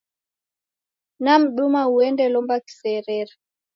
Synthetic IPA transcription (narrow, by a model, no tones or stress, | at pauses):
nam̩ɗumauɛndɛlɔmbaki̥sɛɾɛɾa